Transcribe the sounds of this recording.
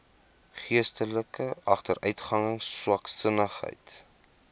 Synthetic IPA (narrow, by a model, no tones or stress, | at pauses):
χiəstələkəɐχtərʔœɥtχɐŋəŋswɐksənəχɦə̰jt